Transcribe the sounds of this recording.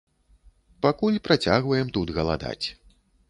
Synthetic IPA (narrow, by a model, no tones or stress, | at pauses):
pakulʲpɾat͡sʲaɣvɐjɛmt̪ud̪ɣɐlˠa̰d̪a̰t͡sʲ